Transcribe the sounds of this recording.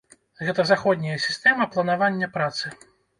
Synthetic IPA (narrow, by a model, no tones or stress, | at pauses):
ɣɛt̪ɐzaxɔd̪ʲnʲɐjɐsʲi̥st̪ɛmɐplˠɐnavanʲːɐpɾat̪sɨ